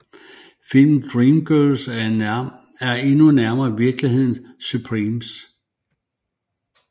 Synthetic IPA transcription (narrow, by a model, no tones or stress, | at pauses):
fil̰mn̩d̥ʁiːmɡ̥œls | æɐe̝nunæɐmɐːiʋiɐɡ̥liɦe̝ð̰ˠn̩supʰʁiːms